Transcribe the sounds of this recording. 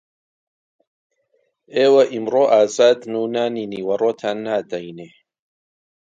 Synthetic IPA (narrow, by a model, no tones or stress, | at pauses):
eːwɐʔimroːʔaːzaːd̪nuːnaːniniːwɐroːt̪ʰaːnːaːd̪ɐjneː